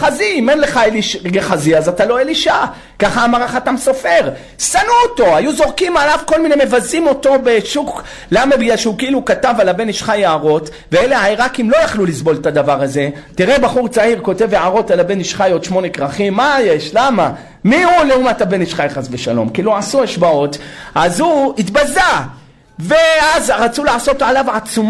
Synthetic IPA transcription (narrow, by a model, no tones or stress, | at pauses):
χaziimenleχaeliʃɡeχaziazatalo̞eliʃa | kaχaːmaʁaχatamso̞fe̞ʁ | sanuoto̞ajuzo̞ʁkimalavko̞lmineme̞vazimo̞to̞beʃuk | lamabijaʃeukiilukatavalabe̞niʃχajeaʁo̞t̪ | veeleaiʁakimlo̞jaχlulisbo̞lt̪ad̪avaʁaze̞tiʁebaχuʁt͡saiʁko̞te̞veʕaʁo̞talabe̞niʃχajo̞d̪ʃmo̞ne̞kʁaχimːajeʃlama | mihuleumatabe̞niʃχajχazveʃalo̞̰mkiiluʕasuaʃbao̞tʔazhuit̪baza | veazʁat͡sulaʕaso̞t̪alavʕat͡sum